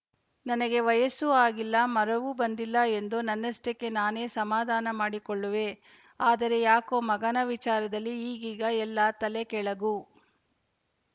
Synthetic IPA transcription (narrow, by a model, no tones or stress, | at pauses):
nɐnɐɡe̞ʋɐjɐsuaːɡilːɐmɐɾɐʋubɐnd̪ilːɐe̞nd̪unɐnːɐsʈɐkːe̞naːneːsɐmaːd̪ʱaːnɐmaːɽikɔɭːuʋe̞ | aːd̪ɐɾe̞jaːko̞ːmɐɡɐnɐʋit͡ʃaːɾɐd̪ɐlːiːɡiːɡɐɛlːat̪ɐlekɛɭɐɡu